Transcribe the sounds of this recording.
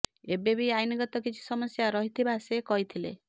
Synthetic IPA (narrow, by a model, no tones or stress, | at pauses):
ebebiajniɡɔt̪ɔkit͡ʃʰi̥sɔmɔsjaɾɔɦit̪ʰibasekɔɦit̪ʰilḛ